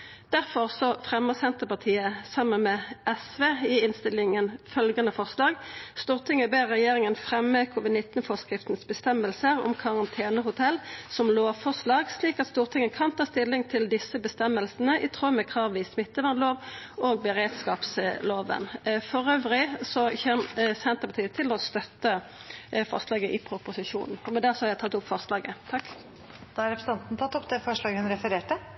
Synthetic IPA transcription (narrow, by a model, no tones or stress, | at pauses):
d̪̥æʁfɔʁsɔfʁɛməsɛnt̪əpɑt̪ʰiːəsɑmːənmɛːɛsʋeːɪɪnst̪ɪlɪŋənfœlɡɑnəfɔʁslɑːɡst̪uːʁt̪ʰɪŋəbeːʁːɛjeːʁɪŋənfʁɛmːəkʰuːʋɪd̪nɪt̪nfɔʁskʁɪft̪n̩sbəst̪ɛməlsəʁɔ̰mkʰɑʁɑnt̪ʰeːnəhʊt̪ʰɛlsɔmloːʋfɔʁslɑːɡsliːkɑt̪st̪uːʁt̪ʰɪŋːəkʰɑnt̪ʰɑːst̪ɪlːɪŋt̪ʰɪld̪ɪsəbəst̪ɛmːəlsn̩əʔɪt̪ʰʁoːmɛkʰʁɑːʋɪːsmɪt̪ːəʋɑnloːʋoːɡ̚bəʁeːd̪skɑːpsloːʋə̰nfɔʁøːʋʁɪsɔçɛmsɛnt̪əʁpɑt̪iːət̪ʰɪlɔst̪œt̪ːə | fɔ̰ʁslɑːɡəʔɪpʰʁʊpʊsɪʃṵːnn̩ɔmɛd̪æʁsɔhɑɾjæɪt̪ʰɑt̪ːʊpfɔʁslɑːɡət̪ʰɑkː | d̪̥ɑɑɾɛpɾəsn̩ɑnt̪nət̪ʰɑt̪ːɔpːd̪ɛfɔʂɭɑːɡəhʉnɾɛfəɾeːʈə